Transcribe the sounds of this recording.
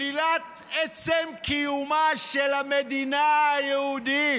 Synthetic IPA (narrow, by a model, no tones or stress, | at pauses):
ilat̪ | ɛt͡semkijumaʃelamed̪inaajɛhudi